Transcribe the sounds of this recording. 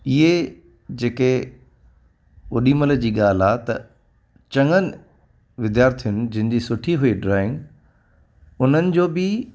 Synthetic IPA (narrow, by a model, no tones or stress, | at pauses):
ɪɦe | d͡ʑeːke | ʊɗiːmələ̆d͡ʑiːɠaːl̤aːɦet̪ɐ | t͡ɕɐ̃ŋənɪ | ʋɪd̪jaːɾt̪ʰijʊnɪ̆d͡ʑɐ̃ɦɪ̃̆d͡ʑiːsʊʈʰiɦuiɖɾaːɪ̃ŋɡ | ʊn̤ənɪ̆d͡ʑoːbɪ